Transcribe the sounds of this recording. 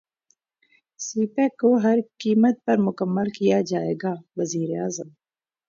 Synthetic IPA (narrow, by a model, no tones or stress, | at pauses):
siːpɛkːoɦɐɾkiːmət̪̚pɐɾmʊkəmːəlkijad͡ʒaːeːɡaːʋɐziːɾeaːzəm